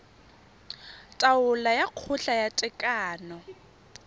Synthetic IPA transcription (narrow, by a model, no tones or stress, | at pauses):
tʼaʊlajaq͡χʰʊɬajatʼɪkʼaːnɔ